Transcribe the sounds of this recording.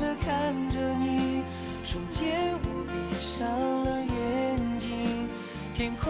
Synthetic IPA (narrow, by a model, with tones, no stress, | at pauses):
d̪ə˧kʰa˥˩nʈ͡ʂə˧ni˨˩ | ʂʊ˨˩ŋt͡ɕjɛ˥wɔ˧˩pi˨˩ʂɑ˥ŋlə˧jɛ˧˦nt͡ɕi˧ŋ | t̪ʰjɛ˧˥nkʰ